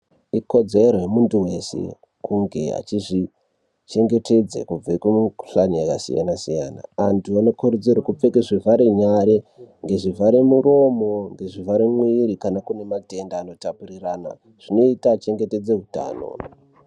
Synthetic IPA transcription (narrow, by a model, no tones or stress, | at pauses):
iko̞d͡zeroemuntuwesḛ | kuŋɡe̞̰a̰t͡ʃiʐi | t͡ʃe̞ŋɡe̞te̞d͡zḛkub͡vaikwemuɬanijakasḭja̰nasija̰ːna̰antuano̞kuɾud͡zeɾikup͡fekeʐivʱaɾeɲaɾeŋɡe̞ʐivʱaɾemuɾo̞mo̞ŋɡe̞ʐivaɾemwiɾikanakune̞mate̞ndaːno̞tapurirana̰ | ʐ̥ino̞itat͡ʃe̞ŋɡe̞te̞d͡zeɦuta̰ːno̞̰